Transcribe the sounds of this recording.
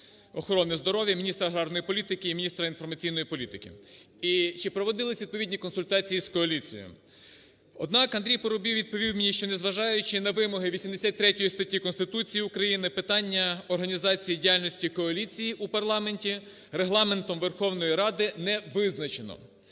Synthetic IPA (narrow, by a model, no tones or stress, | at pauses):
ɔxɔɾɔnɪzd̪ɔɾɔʋʲjɐmʲinʲist̪ɾɐɦɾɑɾnɔjipɔlʲit̪ɪkɪimʲinʲist̪ɾɐinfɔrmɐt͡sʲijn̪ɔjipɔlʲit̪ɪkɪ̰ | it͡ʃɪpɾɔʋɔd̪ɪlˠɪsʲʋid̪̚pɔʋidʲnʲikɔnsʊlʲt̪ɑt͡sʲijiskɔɐlʲit͡sʲḭjɔ̰m | ɔd̪nɑkɐnd̪ɾʲijpɔɾʊbʲiwʋʲid̪̚pɔʋʲiwmɪnʲiʃt͡ʃɔnezʋɐʒɑjʊt͡ʃɪnɐʋɪmɔɦɪʋʲisʲimd̪esʲat̚ʲt̪ɾɛtʲɔjist̪ɐtʲːikɔnst̪ɪt̪ut͡sʲijiukɾɐjinɪpɪt̪ɑnʲːɐɔrɦɐnʲizɑt͡sʲijidʲijalʲnʲɔsʲtʲikɔɐlʲit͡sʲijiʔupɐrlˠɑmenʲtʲi | ɾeɦlˠɑme̞nt̪ɔmʋerxɔwnɔjiɾɑd̪ɪnɛʋɪznɐt͡ʃenɔ̰